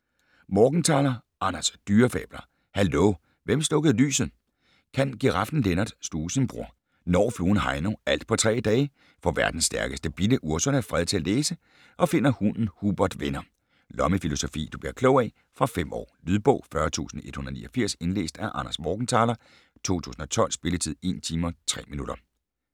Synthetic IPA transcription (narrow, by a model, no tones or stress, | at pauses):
mɒːɡ̥n̩t͡sʰɑ̈ːlɐ | ʔɑ̈næsd̥yːɐfɛ̰ːb̥lɐ | hælo | ʋemsl̥ɔ̽ɡ̥əð̩ˠly̰ːsð̩ˠ | kʰænɡ̥iʁɑ̈fd̥n̩lenɐd̥sd̥uːsən̩b̥ʁṵɐ̰ | nɒ̰ːfluːn̩ɦɑ̈ɪnoʔæl̰d̥̚pʰɒ̽t͡sʰʁɛ̰ːd̥ɛː | fɒ̽ʋæɐd̥n̩sːd̥æɐɡ̥əsd̥əb̥id̥əʔuɐsɒnæfʁɛð̞ˠt͡sʰe̝æleːsə | ʔɒ̽fe̝n̰ɐhunn̩hub̥ɐd̥ʋenɐ | lɒ̽məfilo̝so̝fḭːd̥ub̥liɐkʰlɔʊɛ | fʁɑ̈fem̰ʔɒ̰ːlyðˠb̥ɔ̽ʊ̰fɶɐt͡sʰṵːsn̩e̝d̥hunð̩ˠnḭːɒfiɐ̰se̝nle̝̰ːsd̥æʔɑ̈nɐsmɒːɡ̥n̩t͡sʰɑ̈ːlɐ | t͡sʰo̝̰ːt͡sʰṵːsn̩ɒ̽t͡sʰɒ̽l̰sb̥e̝lət͡sʰið̰ˠe̝̰ːnt͡sʰiːmɐt͡sʰʁɛ̰ːminuɾ̥ɐ